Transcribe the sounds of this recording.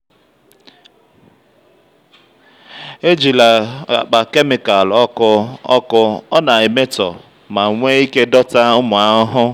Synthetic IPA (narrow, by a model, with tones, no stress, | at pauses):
e˦d͡ʒi˨la˨a̰˨k͡pa˨ke˦mɪ˨ka˨lɔ˦kʊ˦ɔ̰˦kʊ˦ɔ˦na˨e˨me˦tɔ̰˨ | ma˨ŋʷe˦i˦ke˦dɔ˦ta˦ʊ˦mʊ˨a˨ʊ˦ɦʊ˦